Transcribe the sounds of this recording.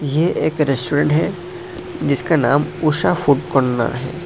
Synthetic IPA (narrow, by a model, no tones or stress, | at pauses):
jeʔeːkɾesʈuɾẽɳʈɦɛ | d͡ʒɪskanaːmuʃafʰuʈkɔɾna̰ɾɦɛ̰ː